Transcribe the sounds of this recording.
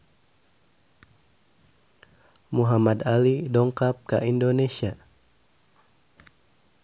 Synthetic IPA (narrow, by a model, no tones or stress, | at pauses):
muɦamad̪alidɔŋkap̚kaʔindonesia